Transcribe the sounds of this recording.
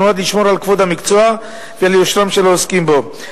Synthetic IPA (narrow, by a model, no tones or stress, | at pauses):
uad̪liʃmo̞ɾalkvod̪amikt͡soa | vealjoʃɾamʃeloːskimbo